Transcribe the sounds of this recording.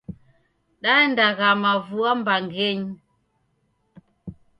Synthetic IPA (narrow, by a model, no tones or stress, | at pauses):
ɗandaɣamavuambaŋɡeɲ